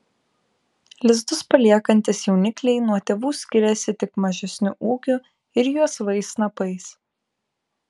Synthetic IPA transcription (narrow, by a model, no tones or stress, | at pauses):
lʲɪzd̪ʊspɐlʲiɛkɐnʲt̪ʲɪsjɛʊnʲɪklʲɛɪnuɔt̪ʲɛʋuːsʲkʲɪɾʲɛsʲɪt̪ʲɪkmɐʒʲɛsʲnʲʊʔuːkʲʊ | ɪɾjuɔsʋɐɪsnɐpɐɪs